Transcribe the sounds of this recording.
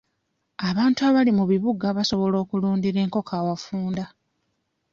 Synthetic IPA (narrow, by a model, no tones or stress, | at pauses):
aβaːntuaβalimuβiβuɡaβaso̞βo̞lo̞ːkuluːndiɾe̞ːŋko̞kʰaːwafuːnda